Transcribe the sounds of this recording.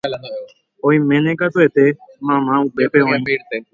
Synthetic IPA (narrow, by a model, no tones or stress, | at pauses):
oːiːmẽːnẽːkaːt̪oeːt̪eːmãːmãːuːbeːpeːʋãːĩ